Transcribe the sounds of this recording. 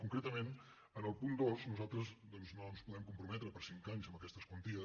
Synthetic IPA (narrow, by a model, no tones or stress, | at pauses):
kuŋkɾet̪əmen | ənəlˠpund̪oznuzalˠt̪ɾəzd̪ɔnznonspuðɛmkumpɾumɛt̪ɾəpəɾsiŋkaɲzəmbəkɛst̪əskwənt̪iə